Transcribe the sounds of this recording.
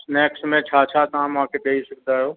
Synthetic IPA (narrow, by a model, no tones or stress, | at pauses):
nɛːksmẽt͡ʃʰaːt͡ʃʰat̪ɐʋ̤ãmʊɦãkʰeɗeisɐk̚ʰd̪aːɦjoː